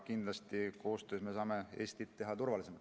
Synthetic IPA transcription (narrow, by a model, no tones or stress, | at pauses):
kind̪̥lɑst̪iko̞ːst̪øːsme̞sɑːme̞e̞ːst̪it̪ːe̞ɦɑt̪urvɑlisemɑ